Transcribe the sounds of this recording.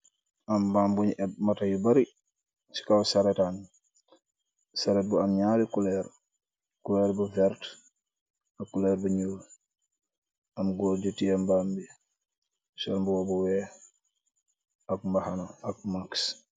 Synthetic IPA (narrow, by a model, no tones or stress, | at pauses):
ʔambambuɲɛmatajubɐɾi | t͡ʃi̥kawsaɾɛtan | saɾɛt̚buamɲaɾikulɛɾ | kulɛːɾbuvɛɾt | akːulɛɾbuɲul | amɡɔːɾɟutiambambi | sɔnmbuwobuwɛ | akmahanoak̚maks